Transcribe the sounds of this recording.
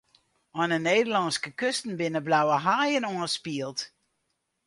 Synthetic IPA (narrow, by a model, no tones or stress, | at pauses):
ɔnəneːdəlɑnskəkøstən̩bɪnəblawəɦaːjənoənspiəlˠt